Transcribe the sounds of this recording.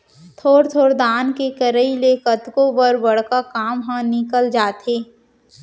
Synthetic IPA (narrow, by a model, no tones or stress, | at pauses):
t̪ʰoːɾt̪ʰoːɾd̪aːnkekəɾəilekɐt̪kõbəɾbɐɽkakaːmɦãnɪkəld͡ʒaːt̪eː